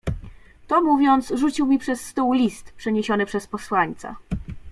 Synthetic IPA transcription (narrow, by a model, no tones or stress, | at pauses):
t̪ɔmuvʲjɔnt̪sʐut͡ɕiwmʲipʂɛsːt̪uwlʲist̪pʂɛɲeɕɔnɘpʂɛspɔswaɲt̪sa̰